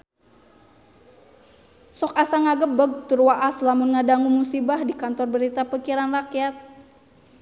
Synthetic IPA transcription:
sɔkasaŋaɡəbəɡ̚t̪urwaʔaslamʊnŋadaŋumusibahdikant̪ɔrbəɾit̪apəkiɾanrakiat̪̚

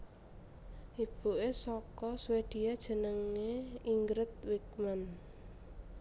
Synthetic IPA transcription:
ʔib̥ṳʔesɔkɔswed̪̥i̤ad̥ʒ̥ə̤nəŋeiŋɡɾət̪̚wik̚man

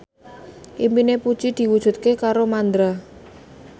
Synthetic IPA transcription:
ʔimpinepud̥ʒ̥id̪̥i̤wud̥ʒ̥ṳt̪̚kekaɾomand̪ɾa

